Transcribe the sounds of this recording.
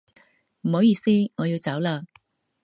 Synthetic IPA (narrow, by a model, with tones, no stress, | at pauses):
m̩˨˩ho˨˧wjiː˨˧˩siː˥ŋɔː˨˧jiː˧wt͡sɐ˨˥wlaː˧